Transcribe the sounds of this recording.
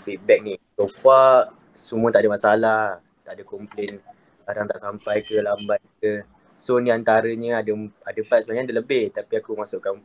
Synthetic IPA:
fit̪̚bɛk̚nisofaʔ | sumũə̃t̪aʔadəmasalah | t̪aʔdəkɔmplɛn | baɾaŋt̪aʔsampajkəlambajk̚ə | soniant̪aɾəɲəadəadəpat̪̚səbaɲadələbɪht̪apiakumasuʔkan

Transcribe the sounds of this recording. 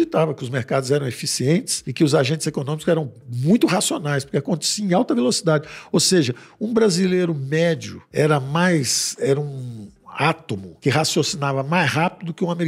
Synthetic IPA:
it̪avɐkɪʊzmeɾkad̪ʊzɛɾɐ̃w̃efisiẽnt͡ʃɪ̥sɪkɪʊzaʒẽnt͡ʃzekonõmikʊzɛɾɐ̃w̃mũj̃t̪ʊhasionajspʊɾkeakõnt̪ɛ̥siɐ̃ẽawt̪ɐvelosid̪ad͡ʒɪowseʒɐũbɾazilejɾʊmɛd͡ʒʊ̰ɛɾɐmajsɛɾɐũat̪omʊkɪɦasiosinavɐmajshapid̪ʊkɪũameɾ

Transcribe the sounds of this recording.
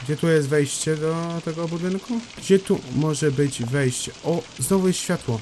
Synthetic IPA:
ɡd͡ʑɛt̪ujɛst̪vɛjɕt͡ɕɛd̪ɔt̪ɛɡɔbud̪ɘnkuɡd͡ʑɛt̪umɔʐɛbɘd͡ʑvɛjɕt͡ɕɛʔɔznɔvuɛɕfʲjat̪wɔ

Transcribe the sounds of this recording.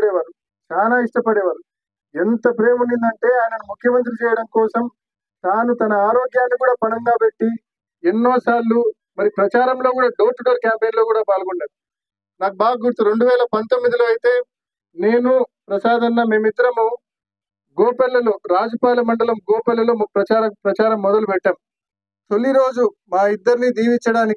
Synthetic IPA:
ɽɛːʋaːɾu | t͡ʃaːnaːiʂʈɐpɐɽɛːʋaːɾu | ent̪ɐpɾe̞ːmuɳɖind̪ɐɳʈe̞ːaːjɐnɐnumukʰjɐmɐnt̪̬ɾit͡ʃɛːjɐɽɐmkɔːsɐm | t̪aːnut̪ɐnɐaːɾoːɡjaːnːikuːɽaːpɐnɐŋɡaːpe̞ʈːi | enːoːsaːɾlu | mɐɾipɾɐt͡ʃaːɾɐmlo̞ːkuːɽaːɖoːʈɖoːɾkaːmpeːnloːkuːɽaːpaːlɐɡoɳɖaːɾu | naːkubaːɡɐɡuɾt̪uɾe̞ɳɖuʋɛːlɐpɐnt̪o̞mːid̪iloːɐjit̪e̞ː | ne̞ːnupɾɐsaːd̪ɐnːɐme̞ːmid̪ːɐɾɐmoː | ɡoːpɛlːɐloːɾaːd͡ʒɐpaːlɐmɐɳɖɐlɐmɡɔːpɛlːɐloːmɐpɾɐt͡ʃaːɾɐpɾɐt͡ʃaːɾɐmːɔd̪ɐlupɛʈːaːm | t̪oliɾo̞ːd͡ʒumaːid̪ːɐɾinid̪iːʋint͡ʃɐɽaːniki

